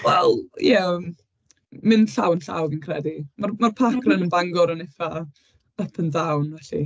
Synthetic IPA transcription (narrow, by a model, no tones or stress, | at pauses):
wɛlˠjɛ | mɪnɬawnɬa̰wvinkʰrɛdimarmarpʰakrənənbaŋɡɔɾənɪfa | əpʰəndawnvɛɬḭ